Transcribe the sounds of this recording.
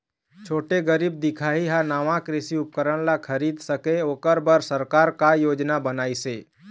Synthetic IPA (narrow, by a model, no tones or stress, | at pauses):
t͡ʃʰoːʈeɡəɾib̚d̪ɪkʰaːɦiɦanaːʋãkɾɪsiʊp̚kəɾəɽ̃lakʰəɾiːd̪səkeoːkəɾbəɾsəɾkaːɾkajoːd͡ʒnabənaːiseː